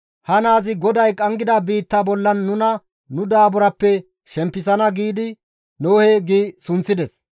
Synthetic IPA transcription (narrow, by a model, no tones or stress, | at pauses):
hɐnaːzɪɡɔd̪ɐjkʼɐŋɡɪd̪ɐbiːt̪ːaːbɔlːɐnːʊnɐ | nʊd̪aːbʊɾɐpːɛ | ʃɛmpːɪs̬ɐnɐɡiːd̪ɪ | noːheːɡiːsʊnt͡sːɪd̪ɛs